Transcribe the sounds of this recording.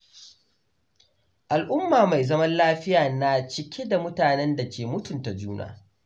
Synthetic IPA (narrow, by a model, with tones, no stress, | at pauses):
ʔa˨lʔʊ˦mːaː˨ma˨jzɐ˦mɐ˦nlaː˦ɸɪ˦jaː˨na˨t͡ʃɪ˦kʲʰe˦da˨mʊ˦taː˨nɛ˦nda˨kʲeː˨mʊ˦tʊ˨nta˨d͡ʒuː˦nʔa̰ː˨